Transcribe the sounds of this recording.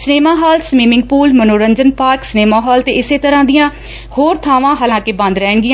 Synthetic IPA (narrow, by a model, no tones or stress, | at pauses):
sneːmãːɦaːlsmiːmɪ̃ŋɡ̚puːlmənoːɾəɲd͡ʒənpaːɾksneːmãːɦɔːlt̪eːɪseːt̪əɾãːd̪ɪjãː | hoːɾt̪ʰaːʋãːɦaːlãːkɪbə̃nd̪ɾɛːɳɡɪjãː